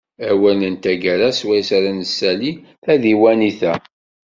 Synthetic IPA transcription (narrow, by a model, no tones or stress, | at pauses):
æwænənt̪æɡəɾæswæjsaɾænəsːæliθæðiwæniθæ